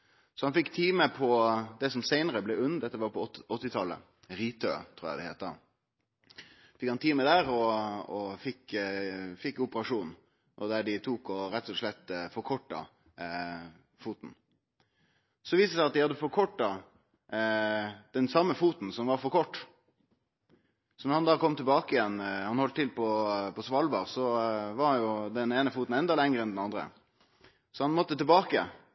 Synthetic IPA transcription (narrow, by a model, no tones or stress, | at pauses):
sɔhɑnfɪkːt̪ʰiːməpʰɔd̪ɛsɔmsæɪnəɾəblɛʉnːd̪ɛt̪ːəʋɑɾpɔɔt̪ːɪt̪ʰɑlːə̰ | ɾiːt̪ʰø̰ːt̪ʰɾuːɾjæ̰d̪ɛhɛ̰ɪt̪d̪ɑ̰ | fɪkhɑnt̪ʰiːməd̪æːɾɔɔfɪk | fɪkːʊpəɾɑʂuːn | ɔd̪æɖɪt̪ʰuːkɔɾɛt̪ːɔʂɭɛt̪ːfɔɾkʰɔʈːɑ̰ | fuːt̪n̩ | sɔʋiːst̪əsæɪɑt̪̚d̪ɪhɑd̪ːəfɔɾkʰɔʈːɑ | d̪̥ɛnsɑmːəfuːt̪n̩sɔmʋɑɾfɔɾkʰɔʈː | sɔnɔɾhɑnd̪ɑːkɔmːt̪ʰɪlbɑːkəɪjɛnːhɑnhɔlt̪t̪ʰɪlpʰɔpɔsʋɑlbɑʁsɔʋɑɾhɑnjʊd̪ɛneːnəfuːt̪n̩ɛnd̪ɑlɛŋɾəɛnd̪ɛnɑnd̪ɾə̰ | sɔhɑnmɔt̪ːət̪ɛlbɑːkə̰